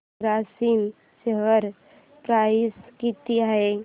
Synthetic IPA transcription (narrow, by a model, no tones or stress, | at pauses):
ɾasin | səɦəɾ | pɾaiskit̪iaɦe